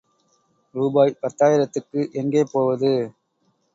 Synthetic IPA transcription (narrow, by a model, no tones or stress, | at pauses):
ɾuːbaːjpɐɾt̪ːaːjɪɾɐt̪ːɯkːɯʔɛŋɡeːpoːʋɐðɯ